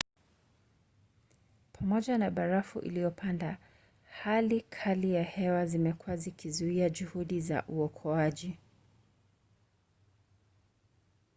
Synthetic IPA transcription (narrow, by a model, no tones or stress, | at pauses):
pʰamɔʄanaɓaɾafṵʔḭlijɔpanda | halikʰalijahɛwazimɛkuwazikʰizuiaʄuhuɗiza̰ʔuɔkʰɔaʄi